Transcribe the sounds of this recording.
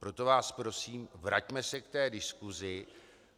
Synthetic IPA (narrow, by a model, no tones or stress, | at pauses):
pɾo̞t̪o̞vaːspɾo̞siːmvɾa̰cmɛsɛkt̪ɛːdɪskuzɪ